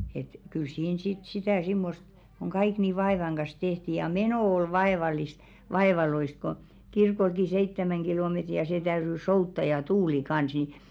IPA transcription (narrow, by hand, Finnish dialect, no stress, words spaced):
et kyl siːn sit sitæˑ simːost koŋ ɡ̊ɑik ni ʋɑeˑʋɑŋ ɡ̊ɑs tehti jɑ menoˑ ol ʋɑeʋɑlˑist ʋɑeʋɑloist̆ ko kirkolki seitːæmæŋ ɡ̊ilometri jɑ se tæyry soutːɑ jɑ tuːli kɑns ni